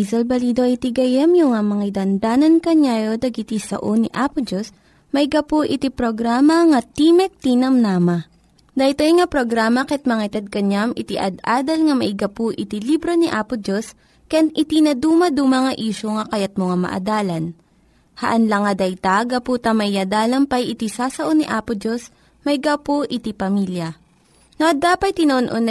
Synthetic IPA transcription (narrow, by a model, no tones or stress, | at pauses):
izɐlbɐliːd̪o̞ʔɐjt̪iɡɐjɛmjʊŋamɐŋajd̪ɐnd̪aːnɐnkɐɲajod̪ɐɡɪt̪isɐ̰ʔoniʔaːpod͡ʒos | mɐɪɡɐpoʔɪt̪ipɾoɡɾaːmɐŋɐt̪imɛk̚t̪inɐmnamɐ | d̪ɐjt̪ojŋapɾoɡɾaːmɐkɛt̪̚mɐŋɐt̪ɐd̪̚kɐɲamɪt̪iʔɐ̰d̪ʔaːd̪ɐlŋɐmɐʔɪɡɐpuʔɪt̪ilibɾo̞niʔaːpʊd͡ʒos | kɐjanɪt̪inɐd̪uːmɐd̪umɐŋɐʔiːʃoŋɐkɐjat̪̚moŋamɐ̰ʔɐ̰d̪aːlɐn | hɐʔɐnlɐŋːɐd̪ɐjt̪aɡɐpuːt̪ɐmɐʔɪjɐd̪aːlɐmpɐjɪt̪isaːsɐʔoniʔaːpod͡ʒos | mɐɪɡapoʔɪt̪ipɐmiljɐ | noʔɐd̪aːpɐt̪̚t̪ːɪnɐʔonʔonɐ